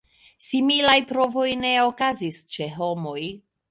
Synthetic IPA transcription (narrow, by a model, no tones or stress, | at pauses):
similajpɾo̞vo̞jne̞o̞kazist͡ʃe̞ɦo̞mo̞j